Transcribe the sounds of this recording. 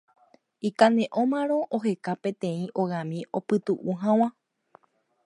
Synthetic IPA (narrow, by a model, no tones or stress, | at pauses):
ikãnẽ̞ʔõmãɾõ̞ʔoɦe̞kapẽ̞t̪ẽ̞ĩʔo̞ɣamĩopɨt̪uʔuɦãw̃ã